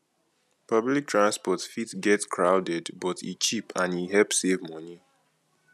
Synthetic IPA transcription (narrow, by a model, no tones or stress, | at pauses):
pɔblik̚tʰɹãnspɔtfitɡɛtskʰɹaʊdɛdbɔtʰḭt͡ʃipãniɦɛlpsevmɔni